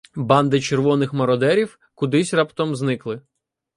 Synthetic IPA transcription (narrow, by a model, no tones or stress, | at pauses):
bɑnd̪ɪt͡ʃerʋɔnɪxmɔɾɔd̪ɛɾʲiw | kʊd̪ɪsʲrɑpt̪ɔmznɪklˠɪ